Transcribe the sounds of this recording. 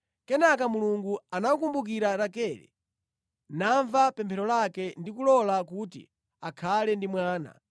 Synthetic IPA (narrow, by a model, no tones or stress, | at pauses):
kɛnakamuluŋɡuanawukumbuk̬iɾaɾakɛlɛ̰ | naɱvapɛmpʰɛɾɔlakɛndikulɔlakutḭ | akʰalɛndimwaːna̰